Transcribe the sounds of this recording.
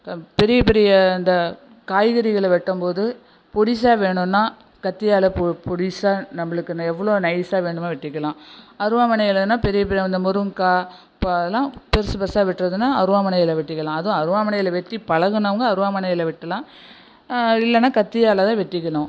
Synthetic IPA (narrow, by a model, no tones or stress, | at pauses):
pɛɾɪjɐpɛɾɪjɐɪnd̪ɐ | kaːjɣɐɾɪɣɐɭʋɛʈːɯmpoːðɯ | pɔɽɪsaːʋeːɳɯ̃nːaː | kɐt̪ːɪjaːlɐppɔɽɪsaːnɐmːɐɭɯkːɯnaɛʋːɐɭoːnɐɪsaːʋeːɳɖɯmeːʋɛʈːɪkːɐɭãːɐɾɯʋaːmɐnɐjɪlɐɯnːaːpɛɾɪjɐp̬ɛɾɪjɐɐnd̪ɐmʊɾɯŋkaː | pːoðɐlãːpɛɾsɯbɐsaːʋɪʈːɾɐðɯnːaːɐɾɯʋaːmɐnɐjɪlɐʋɛʈːɪkːɐlãːɐðʊ̃ɐɾɯʋaːmɐnɐjɪlɐʋɛʈːipɐɻɐɣɯnɐʋɐŋɡɐɐɾɯʋaːmɐnɐjɪlɐʋɪʈːɐlãː | ɪlːɐnːaːkɐt̪ːɪjaːlɐt̪ãːʋɛʈːɪkːɐɭʊ̃